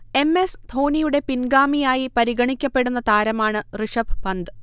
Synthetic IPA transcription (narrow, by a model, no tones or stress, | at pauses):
e̞me̞st̪ʰo̞ːnijuɽe̞pinɡaːmijaːjipɐɾiɡɐɳikʲːɐpːe̞ɽunːɐt̪aːɾɐmaːɳɨrɨʂɐbpɐnd̪ɨ